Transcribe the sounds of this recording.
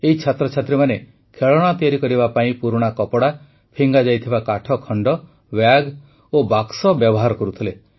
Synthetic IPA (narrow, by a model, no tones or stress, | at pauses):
eɦit͡ʃʰat̪ɾɔt͡ʃʰat̪ɾimane | kʰeɭɔɽ̃at̪ijaɾikɔɾibapaĩpuɾuɽ̃akɔpɔɽa | pʰiŋɡad͡ʒajt̪ʰibakaʈʰɔkʰɔɳɖɔ | wjaɡ | obaksɔbjɔbɔɦaɾɔkɔɾut̪ʰile